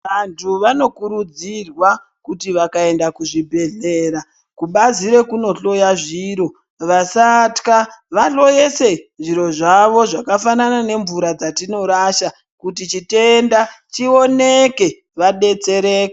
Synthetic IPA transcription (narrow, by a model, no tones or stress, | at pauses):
ʋantʰuʋano̞kuɾud͡zirwa | kutiʋakae̞ndakuʐibʱe̞ɮeːɾa | kuɓaziɾe̞kuno̞ɬo̞jaʐiːɾo̞ | ʋasatkaʋaɬo̞je̞se̞nʐiɾo̞ʐaʋo̞ʐakafananane̞ɱvuɾad͡zatino̞ɾaʃa | kutit͡ʃite̞ndat͡ʃio̞neke̞ | ʋaɗe̞t͡se̞ɾe̞ːke